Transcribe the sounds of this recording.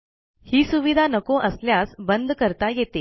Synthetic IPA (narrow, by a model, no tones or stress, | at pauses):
hiːsuʋid̪ʱanəkoʔəsljasbənd̪ʱkəɾt̪ajet̪e